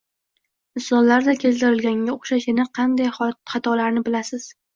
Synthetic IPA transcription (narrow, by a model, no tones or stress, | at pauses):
ɪsɒnlaɾd̪akʲʰe̞zt̪ɪɾɪlɡʲaŋʲaoχʃaʃɪnaqʰɑnd̪ajχɑt̪ʰɒlaɾnɪbɪlasɪz̥